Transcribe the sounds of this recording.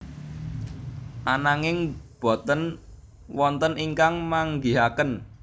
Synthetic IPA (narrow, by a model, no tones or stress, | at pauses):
ʔanaŋɪŋb̥ɔ̤t̪ən | wɔnt̪əniŋkaŋmaŋɡiɦakən